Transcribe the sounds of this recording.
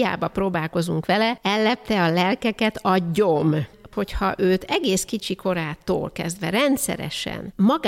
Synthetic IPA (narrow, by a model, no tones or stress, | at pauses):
ja̰ːbɒproːbaːlko̞zuŋkʋɛlɛɛlːɛp̚t̪ɛɒlɛlkɛkɛt̪ɒɟːo̞mho̞chɒ̰ʔøːt̪ɛɡeːskit͡ʃiko̞ɾaːt̪o̰ːlkɛzd̪ʋɛɾɛnt̪sɛ̰ɾɛ̰ʃɛ̰nmɒɡ